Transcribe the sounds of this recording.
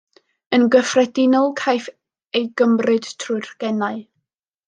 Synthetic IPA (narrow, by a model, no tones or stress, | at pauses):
ənɡəfrɛdɪnɔlˠkʰajf | ejɡəmrɨd̥tʰrʊjrɡ̥ɛnaɨ